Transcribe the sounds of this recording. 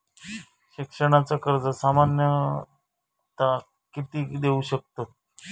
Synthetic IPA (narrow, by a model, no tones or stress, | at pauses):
ɕikʂəɽ̃at͡sakəɾd͡zəsamanjə | t̪a | kit̪iːd̪euɕək̚t̪o